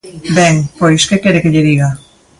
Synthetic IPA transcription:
bɛŋpojskekeɾekeʎeðiɣa

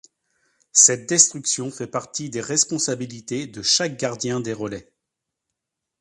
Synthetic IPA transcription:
sɛt̪̚d̪ɛst̪χyksjɔ̃fɛpaʁt̪id̪eʁɛspɔ̃sabilit̪ed̪əʃak̚ɡʲaʁd̪jɛ̃d̪eʁəlɛ

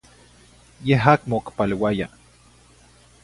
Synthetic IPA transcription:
jeɦakmokpalewaja̰

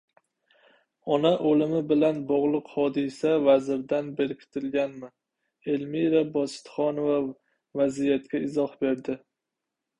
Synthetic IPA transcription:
ɒnaʔolɪmɪbɪlanbɒʁlˠɨqhɒd̪ɪsavazɪɾd̪anbeɾɪkʲʰt̪ʰɪlɡʲanmɪ | e̞lmiɾabɒsɪ̥t̪χɒnova | vazijat̪kʲaɪzɒhbe̞ɾd̪ɪ

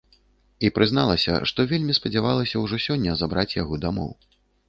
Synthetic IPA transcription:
ipɾʔɨznalˠɐsʲɐ̰ʂt̪ɔvʲelʲmʲispɐd͡zʲavalˠɐsʲɐwʐɔsʲɔnʲːɐzabɾat͡sʲjaɣɔd̪amɔ̰w

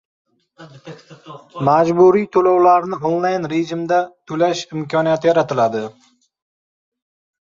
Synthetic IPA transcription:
mad͡ʒbuɾijt̪ʰolawlaɾnɪonlajnɾed͡ʒɪmd̪at̪ʰʊlaʃɪmkʲʰɒnijat̪ʰɪjaɾat̪ʰɪlad̪ɪ

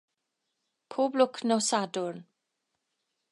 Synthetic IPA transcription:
pʰoːblʊkʰnɔsadʊrn

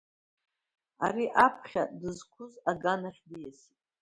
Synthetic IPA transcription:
a̰ɾiʔapʰχʲadɨzkʷʰʊzaɡanaχʲdijasi

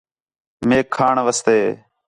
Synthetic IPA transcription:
meːkʰːaːɳʋəst̪eː

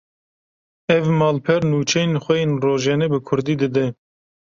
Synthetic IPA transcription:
ɛvmɑːlpʰɛɾnuːt͡ʃʰɛjenxʷɛjenroːʒɛnɛbɨkʰʊɾd̪iːd̪ɨd̪ɛ

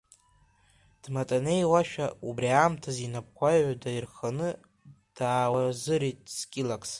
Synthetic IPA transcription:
d̥matʼane̞jwaʃᶣaubriamtʰazinap̚kʷʰajʕʷadairχanɨ | d̥aːwazɨɾitʼskʲʼilakʼs

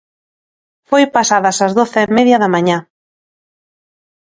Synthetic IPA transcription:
fojpasaðɐsazðoθɪemeðjɐðɐmãɲã

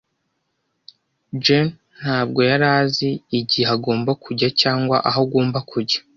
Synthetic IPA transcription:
d͡ʒen | n̥haːb̚ɡo̞jaɾaːziːɟieaɡo̞ːmbakʰuɟacaːŋɡwaʔaɦoɡoːmbakʰuɟḁ

